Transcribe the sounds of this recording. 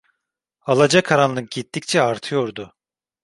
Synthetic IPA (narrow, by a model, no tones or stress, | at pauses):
alˠad͡ʒakʰaɾanlˠɯk̚ɟit̪ːic̚t͡ʃʰɛaɾt̪ʰɯjo̞ɾd̪ʊ